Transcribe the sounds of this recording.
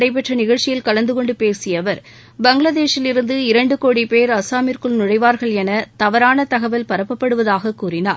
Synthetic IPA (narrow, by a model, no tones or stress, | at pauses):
ɽɐɪp̬ːɛʈrɐnɪɣɐɻt͡ʃɪjɪlkɐɭɐnd̪ɯkɔɳɖɯpeːɾsɪjɐʋɐɾ | bɐŋɡɭɐðeːʂɪlɪɾɯnd̪ɯɪɾɐɳɖɯkoːɽipeːɾɐsaːmɪɾkɯɭnʊɽɐɪʋaːɾɣɐɭɛnɐt̪ɐʋɐɾaːnɐt̪ɐɣɐʋɐlpɐɾɐpːɐpːɐɽɯʋɐðaːɣɐkuːrɪnaːɾ